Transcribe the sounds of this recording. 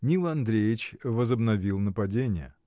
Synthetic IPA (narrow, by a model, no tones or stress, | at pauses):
nʲilˠɐnd̪ɾʲejɪt͡ɕvəzəbnɐvʲilˠnəpɐdʲenʲɪjə̰